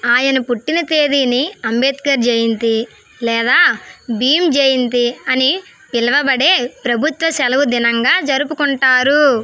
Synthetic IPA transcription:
aːjɐnɐpuʈːinɐt̪eːd̪iniɐmbeːt̪̚kɐɾd͡ʒeːjind̪i | lɛːd̪aːbiːmd͡ʒeːjind̪iɐni | pilɐʋɐbɐɽe̞ːpɾɐbʱut̪ʋɐsɛlɐʋud̪inɐŋɡaːd͡ʒɐɾupukuɳʈaːɾu

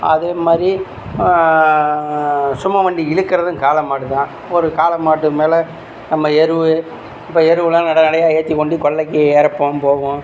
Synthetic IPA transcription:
ɐ̰ðeːmaːd̪ɾi | sʊmːɐʋɐɳɖiɪɻɯkːɪɾɐðɯ̃kaːlɐmːaːʈːɯt̪ãː | ɔɾɯkaːlɐmːaːʈːɯmeːlɛ | nɐmːɐɛɾɯʋɯ | ɪpːoːɛɾɯʋɯlãːnɐɽɐnɐɽɐjaːeːt̪ːikːɔɳɖikɔɭːɐkːɪɛːɾɐpːõːpoːʋʊ̃

